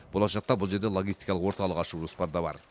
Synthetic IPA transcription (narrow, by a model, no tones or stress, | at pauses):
b̥o̞lˠɑʃɑq̚t̪ɑbʊlˠʒe̞ɾd̪elˠo̞ɡʲist̪ijkɑlˠəqwo̞ɾt̪ɑlˠəqɑʃuʒospɑɾd̪ɑbɑ̰ɾ